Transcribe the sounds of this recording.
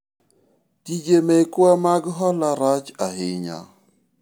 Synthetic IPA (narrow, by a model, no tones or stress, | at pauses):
tid͡ʒemɛkwamaɡɦɔlaɾat͡ʃaɦɪɲa̰